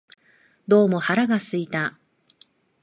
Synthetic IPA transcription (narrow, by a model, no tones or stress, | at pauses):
d̪o̞ːmo̞haɾaɡasɨit̪a